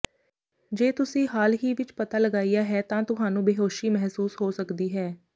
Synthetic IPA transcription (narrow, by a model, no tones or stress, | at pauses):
d͡ʒeːt̪ʊsĩːɦaːlɦiːʋɪt͡ʃpət̪aːləɡaːiːjaːɦɛːt̪ãːt̪ʊɦaːnũːbeɦoːʃiːmɛɦsuːsɦoːsəkd̪iːɦɛː